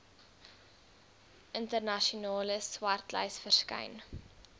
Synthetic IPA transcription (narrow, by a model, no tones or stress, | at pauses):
ʔəntərnɐʃiunɑːləswɐrtlə̰jsfərskɐ̰jn